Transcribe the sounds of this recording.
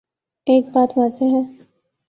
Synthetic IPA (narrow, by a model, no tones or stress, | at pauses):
eːk̚baːt̪ʋaːzeɦɛ̃ː